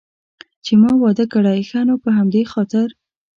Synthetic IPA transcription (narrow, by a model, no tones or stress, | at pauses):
t͡ʃemɑwɑd̪əkaɽajxanopəɦamd̪exɑt̪ɪɾ